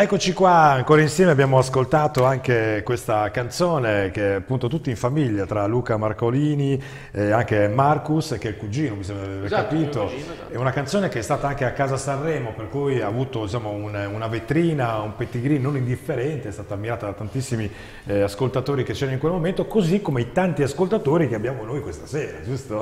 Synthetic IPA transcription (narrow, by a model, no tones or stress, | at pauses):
ɛkːot͡ʃikwaaŋkoːɾainsjɛːmeabjaːmoaskolt̪aːt̪oaŋkekwest̪akant̪soːnek̟eapːunt̪ot̪ut̪ːiːɱfamiʎːat̪ɾaluːkamarkoliːni | aŋkemarkuskɛlkud͡ʒiːnomisɛmbɾaaveɾkapiːt̪o | ɛunakant̪soːnekeɛst̪aːt̪aaŋkeakːaːzasarːɛːmoperkujaːvuːt̪od̪it͡ʃaːmoununavet̪ɾiːnaumpet̪ːiɡɾinnonind̪ifːeɾɛnt̪eɛst̪aːt̪aːmːiɾaːt̪ad̪at̪ːant̪isːimi | askolt̪at̪oːɾik̟et͡ʃːɛɾnoiŋkwelmoment̪okozikːomeit̪ant̪iaskolt̪at̪oːɾikeabːjaːmonojkwest̪asɛːɾa̰d͡ʒust̪o